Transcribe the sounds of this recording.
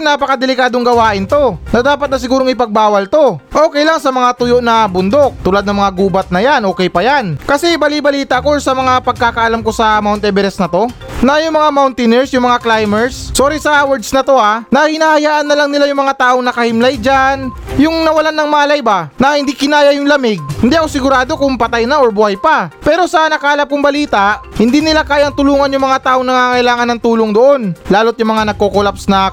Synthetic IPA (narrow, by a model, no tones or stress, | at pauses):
naːpɐkɐd̪ɛlɪkaːd̪oŋɡɐwaːʔɪnt̪o̞nɐd̪aːpɐt̪̚nɐs̬ɪɡuːɾo̞ŋɪpɐɡ̚baːwɐlt̪o̞ʔoːkɛjlaŋsɐmɐŋat̪ʊjo̞ʔnɐbʊnd̪o̞k̚t̪ulad̪nɐŋmɐŋaɡuːbɐt̪̚nɐjanʔo̞ːkɛjpɐjankɐsɛbɐlibɐliːt̪ɐʔkosɐmɐŋapɐɡ̚kaːkɐʔɐlamko̞sɐmawnt̪ɛbɛɾɛsnɐt̪o̞ | nɐjʊŋmɐŋamawnt̪ɪnɛɹsjʊŋmɐŋaklajmɛɹssoːɾisɐwɛɹd̪snɐt̪o̞ʔanɐhɪnaːhɐjaːʔɐnːɐlaŋnɪlajʊŋmɐŋat̪aːʔoŋnɐkɐhɪmlajd͡ʒan | jʊŋnɐwɐlanːɐŋmaːlɐjbanɐhɪnd̪ikɪnaːjɐjʊŋlɐmɪɡ̚ɪnd̪iʔɐko̞sɪɡʊɾaːd̪o̞kʊŋpɐt̪ajnɐʔo̞ɹbʊhajpapɛːɾo̞sɐnɐkaːlap̚kʊŋbɐliːt̪ɐʔhɪnd̪iːnɪlakaːjɐŋt̪ʊluːŋɐnjʊŋmɐŋat̪aːʔo̞ŋnɐŋaːŋɐʔɪlaːŋɐnːɐŋt̪uːloŋd̪oʔo̞nlaːlo̞t̪̚jʊŋmɐŋanɐɡ̚kokolapsnɐ